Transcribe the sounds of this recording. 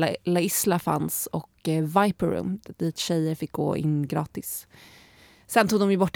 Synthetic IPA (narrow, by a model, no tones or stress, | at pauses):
laɪslafa̰nsɔkvajpəɾɵ̰mːd̪iːt̪ɕɛjːəɾfɪk̚ːɡo̰ːʔɪ̰nːɡɾɑ̰ːt̪ɪs | ɛnt̪ʰuːɡ̪d̪ɔmjɵbɔʈː